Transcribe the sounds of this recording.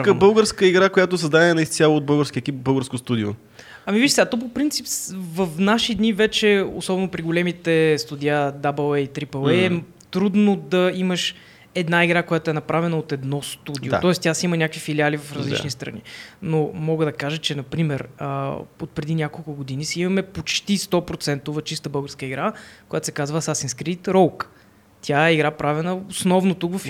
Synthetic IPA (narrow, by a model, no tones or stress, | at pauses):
kəbɤlˠɡəɾskəiɡɾakojat̪osəzd̪ad̪ʲɛɛnɐist̪sʲjalˠood̪̚bɤlˠɡəɾskʲiəɛkʲip̚bɤlˠɡəɾskost̪ud̪io̰ | ɐmiviʃsɛat̪ɔp̬opɾint̪sipsvɐfnaʃid̪nivɛt͡ʃɛo̰sɔbɛnʊpɾiɡʊlɛmit̪ɛst̪ud̪ʲiad̪abɛlˠɛit̪ɾipəlˠɛɛ | t̪ɾud̪nod̪ɐiməʃ | ɛd̪naiɡɾakojat̪ʊɛnɐpɾavɛnəot̪ɛd̪nɔst̪ud̪ijo̰ɔɛst̪ʲasimənʲakəvifilialivɐfɾɐzl̰t͡ʃnist̪ɾɐ̰nḭnomɔɡəd̪ɐkaʒət͡ʃɛnɐpɾimɛɾə̰ot̪̚pɾɛd̪inʲjakolˠkʊɡod̪inisɛimɐmɛpot͡ʃt̪ist̪ɔpɾot̪sɛnt̪ovɐt͡ʃist̪əbɤlˠɡəɾskəiɡɾakoʊjat̪sɛkazvəsasinskɾit̪ɾɔlk | t̪ʲjaɛiɡɾapɾavɛnəosnɔvnot̪ukvɐf